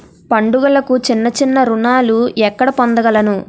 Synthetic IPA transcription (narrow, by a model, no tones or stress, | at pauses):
pɐɳɖuɡɐlɐkut͡ʃinːɐt͡ʃinːɐɾunaːluɛkːɐɽɐpond̪ɐɡɐlɐnu